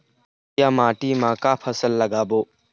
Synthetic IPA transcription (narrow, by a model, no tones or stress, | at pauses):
jamaːʈimãːkapʰəsəlːɐɡaːboː